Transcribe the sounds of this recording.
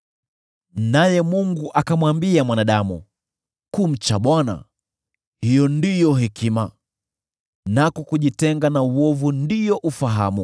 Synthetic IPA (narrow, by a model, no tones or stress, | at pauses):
najɛmuŋɡuʔakamwambiamwanaɗamṵ | kum̩t͡ʃaɓwana̰ | hijɔndijɔɦikʰima | nakɔkuʄitɛŋɡanauwɔvundijɔʔufaɦa̰mṵ